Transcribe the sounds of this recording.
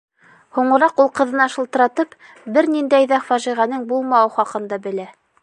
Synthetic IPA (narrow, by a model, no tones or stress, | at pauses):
huɴɤ̆ɾɑqulˠqɤ̆ðɤ̆nɑʃɤ̆lˠt̪ɤ̆ɾɑt̪ɤp | bɘɾnind̪æjðæfæʒiʁænɤŋbulˠmɑwɤχɑqɤ̆nd̪ɑbɘ̆læ